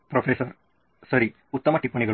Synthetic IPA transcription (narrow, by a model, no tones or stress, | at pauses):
pɾopʰesɐɾ | sɐɾi | ut̪ːɐmɐʈipːɐɳniɡɐɭ